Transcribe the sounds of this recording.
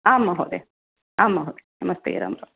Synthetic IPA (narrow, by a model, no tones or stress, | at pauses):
aːmːaɦoːd̪e | aːmːaɦoːd̪e̥nɐmɐst̪ʰḛːɾɐ̰mɾɐ